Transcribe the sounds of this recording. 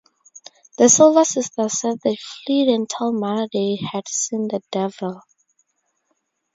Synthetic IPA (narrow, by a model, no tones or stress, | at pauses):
ðəsoləsɪstəsɛd̚ðefliɾɪ̃ntʰilˠmalədehæd̥sĩnðədɛvəlˠ